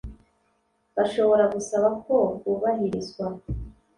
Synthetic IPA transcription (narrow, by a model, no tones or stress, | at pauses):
baʃo̞βo̞ɾaɡusaβako̞ɡuβaɦiɾizɡwa